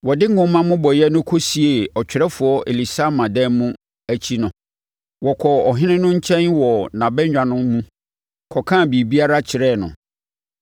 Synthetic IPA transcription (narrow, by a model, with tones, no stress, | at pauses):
wɔ˨dɪ˦ŋ˦ɡʊ̃˦mã˦mʊ̃˦bɔ˨jɛ˦nʊ̃˦kʰo˦si˨e˨ɔ˨t͡ɕᶣɪ˨ɾɛ˦fʊ˨ɔ˦ʔe˨li˨sa˦mã˨dɛ˦mũ˦ | æ˦t͡ɕʰi˦nʊ̃˨ | wɔ˨kʰɔ˨ɔ˨ɦɪ̃˦nɪ̃˦nʊ̃˦ɲ̩˦t͡ɕʰɛ̃˦nwɔ˨nã˨bɛ˦ɲᶣã˨nʊ̃˦mː˦ũ˦ | kʰɔ˨kʰãː˦˨bi˨bi˦a˦ɾa˦t͡ɕʰɪ˨ɾɛ˦˨nʊ̰̃˨